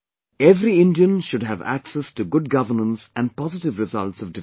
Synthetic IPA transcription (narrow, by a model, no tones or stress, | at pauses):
ɛvɾiɪ̃ndiə̃nʃʊɖɦævæ̰ksɛstuɡʊɖ̚ɡʌvəɾnə̃nsæ̃n̚pɑzɪʈɪvɾɪzʌltsʌvdɪ